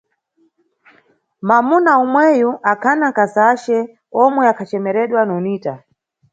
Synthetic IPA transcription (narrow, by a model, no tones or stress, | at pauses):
mamunaumwɛjuʔakʰanaŋkazaʃɛ | ɔmwɛakʰat͡ʃɛmɛɾɛɗwanɔniːta